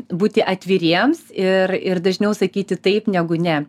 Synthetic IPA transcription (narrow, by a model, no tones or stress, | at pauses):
buːt̪ʲɪʔɐt̪ʲʋʲiɾʲiɛmsɪrɪrd̪ɐʒʲnʲɛʊsɐkʲiːt̪ʲɪt̪ɐɪpnʲæːɡʊnʲɛ